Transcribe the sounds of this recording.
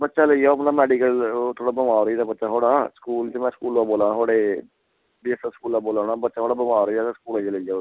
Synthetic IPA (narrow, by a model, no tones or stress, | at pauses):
bətːʃaːləijaːəpnaːmɛːɖiːkəlt̪ʰoːɽaːbəmaːɾid̪aːbətːʃaːɦoːɽaːsə̥kuːlt̪emɛ̃ːskuːlʋaːboːlãːnaːɦoːɽeː | biːəst̪aːskuːlːaːboːlaːnaːbətːʃaːɦoːɽaːbəmaːɾːaːt̪askuːləjaːləijaː